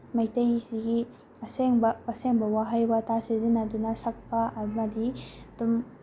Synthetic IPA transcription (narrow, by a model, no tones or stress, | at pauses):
majtajisiɡi | ɐseŋbɐaseŋbɐwaɦajbatasezinadunɐsak̚pamɐdidum